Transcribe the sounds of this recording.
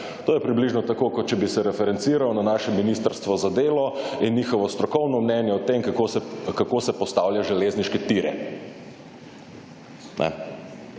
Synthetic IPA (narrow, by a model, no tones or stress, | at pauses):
t̪oːjɛpɾibliʒnɔt̪akoːkɔt̪t͡ʃɛbisɛɾɛfɛɾɛnsiɾawnanaːʃɛminist̪əɾst̪ʋɔzad̪eːlɔinːixɔʋɔst̪ɾɔkɔwnɔmnɛnjɛɔt̪emkkokakosɛpɔst̪aːwljaʒɛleːzniʃkɛt̪iɾɛ̰ | nʔɛ̰